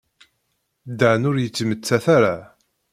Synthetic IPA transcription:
d̪əʕnʊɾjət͡sːmət͡sːæθaɾa

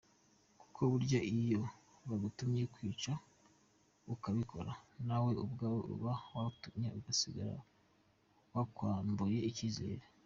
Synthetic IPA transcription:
ku̥kʰo̞βuɾɟaʔijo̞ | βaɡutumɲe̞kwiːt͡ʃa | βukaβikʰo̞̰ɾanawe̞ubɡaːwḛṵβawautumɲe̞̰uɡasiɡa̰ɾa̰ | wakwaːmbuje̞iciːze̞̰ːɾe

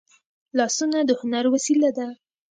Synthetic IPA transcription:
lɑsunad̪əhʊnaɾwasilad̪a

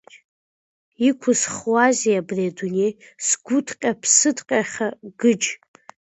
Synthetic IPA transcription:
ikʷʰʊsχwaziabredunej | sɡʷʊtʰqʲʼapʰsɨdqʲʼaχʲaɡɨd͡ʒ

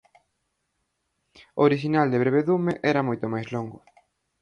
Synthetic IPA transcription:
oɾiʃinald̪eβɾeβ̞eðumeʔɛɾɐmojt̪omajzloŋɡʊ

